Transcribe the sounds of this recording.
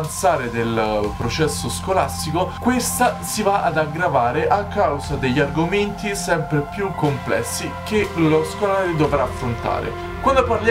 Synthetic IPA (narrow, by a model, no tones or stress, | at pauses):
nt̪saːɾed̪elpɾot͡ʃɛsːoskolast̪ikokwest̪asivaʔad̪aɡɾavaːɾeʔakːawzad̪eʎːarɡoment̪isɛmpɾepjukːomplɛ̰sːikeloskolaːɾod̪ovɾaːfːɾont̪a̰ːɾḛ | kwand̪oparlj